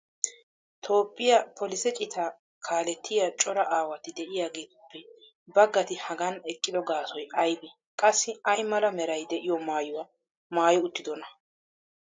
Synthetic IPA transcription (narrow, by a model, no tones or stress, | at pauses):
t̪ʰo̞ːpʼːɪjɐpʰɔlɪsɛt͡ʃʼɪt̪ʰa | kʰaːlɛt̪ʰːɪjat͡ʃʼɔɾɐʔaːwɐt̪ɪd̪ɛʔɪjaːɡe̞ːt̪ɪpːɛ | bɐɡɐt̪ɪhɐɡɐnɛkʼːɪd̪ɔɡaːsɔjɐjbɪ | kʼɐsːɪɐjmɐlɐmɛɾɐjd̪ɛʔɪjɔmaːjʊwa | maːjɪʊt̪ːɪd̪ɔnɐ